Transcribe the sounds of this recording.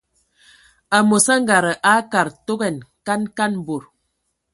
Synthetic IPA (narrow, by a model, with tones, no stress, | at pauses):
a˨mo˨sa˦ŋ˦ɡa˨ɾə˨ʔa˨˦ka˨ɾto˦ɡɛ˨nka˦nka˦n˨bo˨ɾ